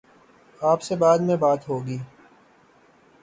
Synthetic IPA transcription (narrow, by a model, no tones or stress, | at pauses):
aːpsebaːd̪mẽbaːt̪ɦoːɡiː